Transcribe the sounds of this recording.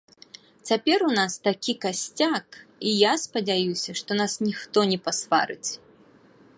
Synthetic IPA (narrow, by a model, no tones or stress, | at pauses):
t͡sʲapʲɛɾunast̪akʲikasʲt͡sʲakijaspɐd͡zʲajusʲɐʂt̪ɔnasnʲixt̪ɔnʲɛpasva̰ɾɨ̰t͡sʲ